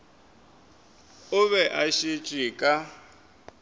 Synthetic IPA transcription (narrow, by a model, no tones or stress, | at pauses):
ʊβɛʔaʃit͡ʃʼikʼa